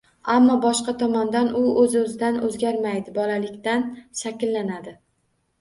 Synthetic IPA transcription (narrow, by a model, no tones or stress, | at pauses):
amːɒbɒʃqɑt̪ʰɒmɒnd̪anʊɵzɪɵzɪd̪anɵzɡʲaɾmajd̪ɪbɒlalɪkʲt̪anʃakʲɪlːanad̪ɪ